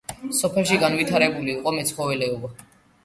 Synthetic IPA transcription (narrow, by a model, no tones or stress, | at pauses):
sɔpʰɛlˠʃiɡanvit̪ʰaɾɛbuliːqʼɔmɛt̪sʰχɔvɛlɛɔba